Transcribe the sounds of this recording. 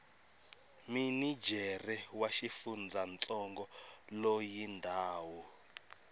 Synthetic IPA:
minid͡ʒʱɛrɛwaʃifund͡zʱant͡sʼɔŋɡɔlojindʱaːwɔ

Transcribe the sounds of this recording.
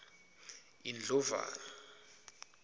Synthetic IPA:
ind͡ɮɔva̰ːna

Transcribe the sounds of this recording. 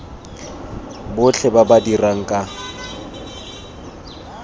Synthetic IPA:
bʊɬʰɛbabadiraŋ̩kʼa

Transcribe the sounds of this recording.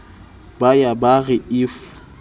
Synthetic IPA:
bajabaɣɪɪfʊ

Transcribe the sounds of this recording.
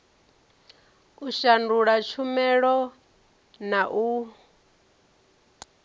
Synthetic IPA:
uʃanduɺat͡ʃʰumɛɺɔ | naʔu

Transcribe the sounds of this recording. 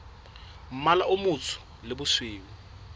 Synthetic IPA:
m̩malaʔʊmut͡sʰʊ̥ | lɪbʊswiːwu

